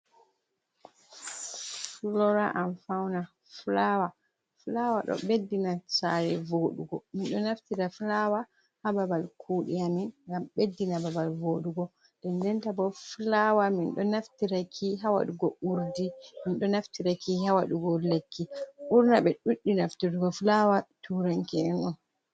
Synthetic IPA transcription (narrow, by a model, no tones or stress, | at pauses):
fulɔɾaʔamfawna | flawa | flawaɗɔ̰bedːinasa̰ɾɛvoɗṵɡɔminɗɔnaftiɾaflawa | hababalkʰuːɗiaminŋɡambedːinababalvoɗuɡɔ | ɗɛndɛntabɔflawaminɗɔnaftiɾakʰiɦawa̰ɗuɡɔʔuɾdiminɗɔnaftiɾakihawaɗuɡɔlekːiuɾnaɓɛɗuɗːinaftiɾuɡɔflawatuɾaŋkɛɛnɔn